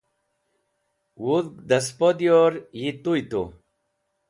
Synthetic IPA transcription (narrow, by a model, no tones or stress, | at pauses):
wuðd̪aspod̪joɾjit̪ujt̪o̰